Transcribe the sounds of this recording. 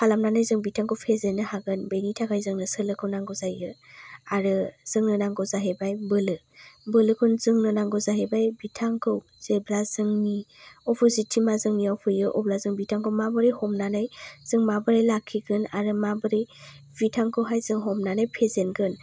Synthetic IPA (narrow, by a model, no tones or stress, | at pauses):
kʰalamnanajzɯŋbitʰaŋkʰɯwpʰezenɯhaɡɯnbejnitʰakʰajzɯŋnɯsɯlɯkʰɯwnaŋɡɔzajɯaɾɯz̥ɯŋnɯnaŋɡɔwzaɦebajbɯlɯ | bɯlɯkʰunzɯŋnɯnaŋɡɔzaɦebajbitʰaŋkʰɯw | z̥eblazɯŋniɔpʰɔzitʰimazɯŋnijawpʰɯjɯʔɔblazɯŋbitʰaŋkʰɯwmabɯɾijhɔmnanajz̥ɯŋmabɯɾajlakʰːiɡɯnaɾɯmabɯɾij | bitʰaŋkʰɯwɦajzɯŋɦɔmnanajpʰezenɡɯn